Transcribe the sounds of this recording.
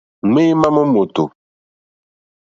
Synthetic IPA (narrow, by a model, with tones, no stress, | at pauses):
ŋe˦ma˦mɔ˦mo˨to̰˨